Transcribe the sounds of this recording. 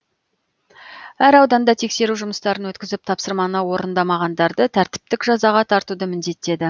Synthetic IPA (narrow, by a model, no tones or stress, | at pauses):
æɾɑwd̪ɑnd̪ɑt̪ʰe̞kse̞ɾuʒʊməst̪ɑɾənwɵt̪kʲɪzɪp̚t̪ʰɑpsəɾmɑnəwo̞ɾənd̪ɑmɑʁɑnd̪ɑɾd̪ət̪ʰæɾt̪ɪ̥p̚t̪ɪkʒɑzɑʁɑt̪ʰɑɾt̪ud̪əmɪnd̪e̞t̪ːe̞d̪ɪ